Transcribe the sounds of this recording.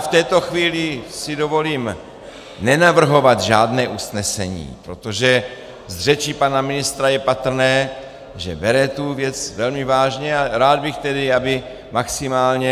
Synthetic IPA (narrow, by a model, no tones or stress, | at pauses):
ft̪ɛːt̪o̞xviːlɪsɪdo̞vo̞liːm | nɛnavr̩ɦo̞vat̪ʒaːdnɛːʔusnɛsɛ̰ɲḭːpɾot̪o̞ʒɛ | zr̝ɛt͡ʃiːpanamɪnɪst̪ɾajɛpat̪r̩nɛː | ʒɛ̰bɛɾɛt̪uvjɛt͡svɛlmɪvaːʒɲɛaɾaːd̪̚bɪxt̪ɛdɪabɪ | maksɪmaːlɲɛ